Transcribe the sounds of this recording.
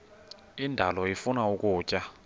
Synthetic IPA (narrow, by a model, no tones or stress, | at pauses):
indʱalɔifunaukʼuːcʼa